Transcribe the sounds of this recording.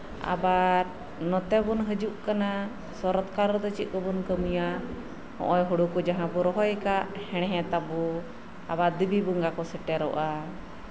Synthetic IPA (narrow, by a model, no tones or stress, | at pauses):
a̰baɾ | nɔt̪ɛbunɦəd͡ʒuʔkana | sɔɾɔt̪kaɾɔd̪ɔt͡ʃit̪̚ˀkəbunkəmuja | hɔ̰̃ʔɔjɦuɽukɔd͡ʒaɦãbɔɾɔɦɔjkaʔhɛɽ̃ɛɦɛ̃t̪abu | a̰baɾd̪əbibuŋɡakɔsɛʈɛɾɔʔa